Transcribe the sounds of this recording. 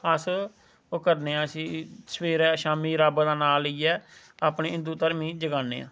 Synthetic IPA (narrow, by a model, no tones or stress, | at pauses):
əs | oːkəɾneːãːəsĩːsʋeːɾɛːʃaːmiːɾaːbd̪aːnaːləiːɛː | aːpneːɪ̃nd̪uːt̪əɾmĩːd͡ʒəɡaːnːḛːã̰ː